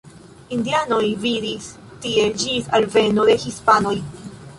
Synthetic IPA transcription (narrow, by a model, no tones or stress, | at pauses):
indiano̞jvidis | tie̞d͡ʒisalve̞no̞de̞hispano̞j